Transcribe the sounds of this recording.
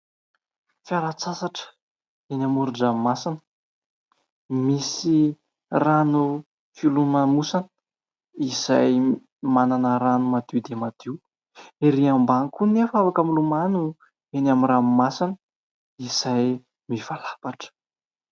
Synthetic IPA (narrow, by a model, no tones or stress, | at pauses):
fjaɾat͡sasaʈ͡ʂ | enamuɾuɖ͡ʐamasanə | misi | ranu | filumamusanə | izaj | mananəɾanumat̪iwd̪emat̪ew | eɾiambaŋkunefavakamilumanu | enamiramasanə | iz̥aj | mifalḁpaʈ͡ʂə̥